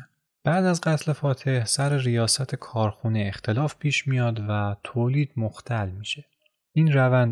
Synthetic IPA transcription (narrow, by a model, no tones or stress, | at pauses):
b̥æːd̪æzɢæt̪ʰle̞fɒːt̪ʰe̞hsæɾeɾijɒːsæt̪ʰekʰɒːɾxuːneext̪ʰe̞lɒːfpʰiːʃmijɒːd̪væt̪ʰoːliːd̪̥moxt̪ʰælmiːʃe̞ | iːnɾævænd̪